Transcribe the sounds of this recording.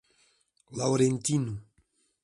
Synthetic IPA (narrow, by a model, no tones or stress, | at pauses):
lawɾentinu